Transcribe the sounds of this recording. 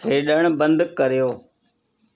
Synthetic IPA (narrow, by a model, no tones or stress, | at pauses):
eːɗəɳ̃bə̃nd̪kəɾijoː